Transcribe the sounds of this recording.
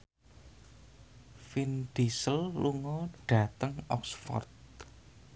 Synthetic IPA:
find̪̥isəlluŋɔɖ̥ä̤t̪əŋɔksfɔ̰rt̪̚

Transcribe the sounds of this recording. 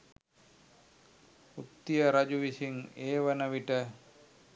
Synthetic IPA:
ut̪ːijəɾad͡ʑuʋisiŋeːʋənəʋiʈə

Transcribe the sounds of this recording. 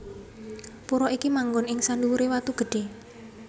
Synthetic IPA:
puɾɔikimaŋɡʊnɪŋsanduuɾewat̪uɡ̥ə̤ɖ̥e̤

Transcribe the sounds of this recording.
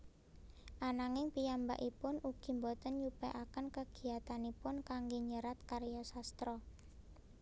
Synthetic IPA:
ʔanaŋɪŋpijamba̰ʔipʊnuɡ̥i̤mbɔt̪ənjupɛ̰ʔakənkəɡ̥i̤at̪anipʊnkaŋɡeɲəɾat̪̚kaɾjɔsast̪ɾɔ

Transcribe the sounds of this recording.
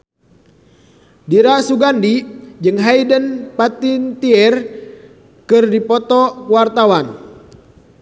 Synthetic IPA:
diɾasuɡandid͡ʒɨŋɦajdənpat̪int̪iɛr | kɨrdipɔt̪ɔkwart̪awan

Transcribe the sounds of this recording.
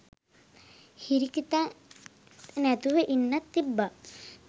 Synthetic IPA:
hiɾikit̪a | nɛt̪uʋəʔinːɐt̪ːibːa

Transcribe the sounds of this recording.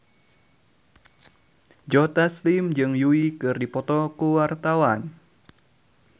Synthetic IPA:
d͡ʒɔt̪aslimd͡ʒɨŋjuikɨrdipɔt̪ɔkuwart̪awan

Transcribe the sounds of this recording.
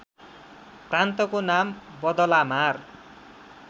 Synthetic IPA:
prant̪ʌkonambʌd̪ʌlamar

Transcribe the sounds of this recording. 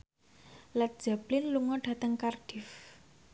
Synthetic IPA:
lat̪̚d̥ʒ̥a̤plɪnluŋɔɖ̥ä̤t̪əŋkarɖ̥if

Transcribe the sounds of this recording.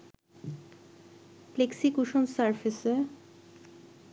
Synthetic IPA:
pleksikuʃonsaɾfʰise

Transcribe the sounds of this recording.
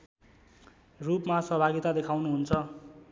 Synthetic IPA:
rupmasʌbʱaɡit̪ad̪ekʰawnuɦunt͡sʰʌ

